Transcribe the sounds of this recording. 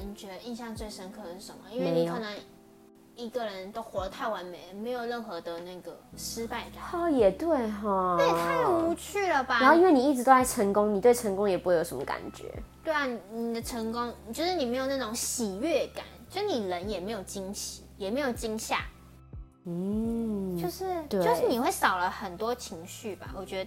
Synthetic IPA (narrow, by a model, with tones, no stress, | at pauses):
ə˧n˨˩t͡ɕɥɛ˧˥d̪ə˧i˥˧nɕjɑ˥˧ŋt͡swe˥˩ɪʂə˥nkʰɤ˥˩də˩ʂɻ̩˥˩ʂə˧˦mə̰˨˦i˥nwee˧˨ɤ˨˩nə˧˦ŋ | i˧˥ɡə˨ɻə˧˦nt̪o˥ʊxwɔ˧˥də˧˦t̪ʰa˥˩ɪwa˧˥nme˨˩ɪme˧˥ɪjo˨˩ʊɻə˥˩nxɤ˧˥d̪ə˨na˥˩ɡə˩ʂɻ̩˥pa˥˩ɪka̰˨˩ɔ˥˩jɛ˨˩t̪we˥˩ɪɦɔ˥˩a˥˩˨t̪ʰu˧˩u˧˥t͡ɕʰy˥˩lə˩ba˨a˧nxo˥˧ʊi˥nwe˥˩ni˨˩i˥˩ʈ͡ʂɻ̩˧t̪o˥a˥˩ɪə˧˥ŋkʊ˥ŋni˨˩t̪we˥˩ɪʈ͡ʂʰə˧˥ŋkʊ˥ŋjɛ˨˩pu˥xwe˥˩jo˨˩ʊʂə˧˦mə˧ka̰˨˩nt͡ɕɥɛ̰˧˦t̪we˥˩ɪa˨˩ni˨˩ni˨˩d̪ə˦ʈ͡ʂʰə˧˥ŋkʊ˥ŋ˨t͡ɕo˥˧ʊʂɻ̩˥˩ni˨˩me˧˥ɪjo˨˩ʊna˥˩ʈ͡ʂʊ˨˧˥ŋɕi˨˩ɥɛ˥˩ka̰˨˩˦nt͡ɕjo˥˧ʊʂɻ̩˥˩ni˨˩lə˧˥njɛ˨˩me˧˥ɪjo˨˩ʊt͡ɕi˥ŋɕḭ˨˩˦jɛ˨˩me˧˥ɪjo˨˩ʊt͡ɕi˥ŋɕja̰˥˩ | n̩˥˩t͡ɕjo˥˧ʊʂɻ̩˥˧t̪we˥jo˥˧ʂɻ̩˥˩ni˨˩xwe˥˩ɪsɑ˨˩ʊlə˦xə˨˩nt̪wɔ˥t͡ɕʰi˧˥ŋɕy˥˩ba̰˨˩wɔ˨˩t͡ɕɥɛ˧˥d̪ə˧